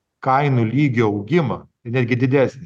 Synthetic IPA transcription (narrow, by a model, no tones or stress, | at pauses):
kɐɪnuːlʲiːɡʲoːɐʊɡʲɪmɐ | ɪnʲæːd̪ʲɡʲɪd̪ʲɪd̪ʲæːsʲnʲɪ